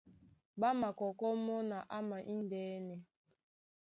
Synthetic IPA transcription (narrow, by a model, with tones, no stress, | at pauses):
ba˦ma˨kɔ˨kɔ˦mɔ˦na˨ʔa˦ma˨ʔi˦n˨dɛː˦nɛ˨